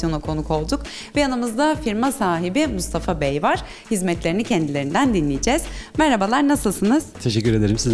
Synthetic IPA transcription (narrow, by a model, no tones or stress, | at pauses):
jo̞nakʰo̞nukʰo̞lˠd̪uk | vɛjanɯmɯzd̪afiɾmasaːɦibimust̪ʰafabejvaɾ̥ | hizmɛt̪lʲe̞ɾinicʰɛnd̪ilʲe̞ɾind̪ænd̪inlʲijid͡ʒɛz̥mɛɾhabalˠaɾnasɯlˠsɯnɯz̥t̪ʰeʃɛcːyɾe̞d̪e̞ɾimsiz